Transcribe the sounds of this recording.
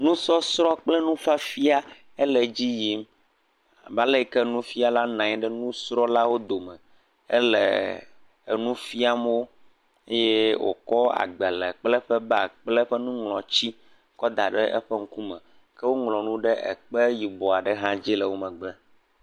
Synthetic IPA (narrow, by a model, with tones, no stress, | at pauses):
nũ˦sɔ˦sɾɔ˦k͡plɛ˦nũ˦fa˦fi˦a˦ | ɛ˦lɛ˨d͡ʑi˦ji˨˦m˨ | ba˦le˦˨kɛ˦nũ˦fi˦a˨la˦nã˨ɲɛ˦ɖɛ˦nũ˦sɾɔ˦la˦wo˦d̪o˨mɛ˨ | ɛ̰˦lɛ̰˨ | nũ˦fi˦a˦m˦wo˦ | e˦je˦wo̰˨kɔ˦a̰˨ɡ͡bɛ˨lɛ˨k͡plɛ˦ɸɛ˦ba˦˨k͡plɛ˦ɸɛ˦nũ˦ŋlɔ̃˨t͡ɕi˦ | kɔ˦d̪a˨ɖɛ˦ʔɛ̰˦ɸɛ˦ŋ̩˦ku˦mɛ̃˨ | kɛ˦wo˦ŋlɔ̃˨nũ˦ɖɛ˦ʔɛ̰˨k͡pɛ˦ji˨bɔ˨a˨ɖɛ˦ɦã˦d͡ʑi˦lɛ˨wo˦mɛ̃˨ɡ͡bɛ˦